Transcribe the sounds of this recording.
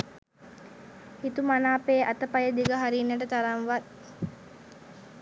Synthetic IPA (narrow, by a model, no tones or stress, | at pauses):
hit̪umanaːpeːʔat̪əpajəd̪iɡəɦaɾiːnːəʈ̬ət̪aɾaŋʋat̪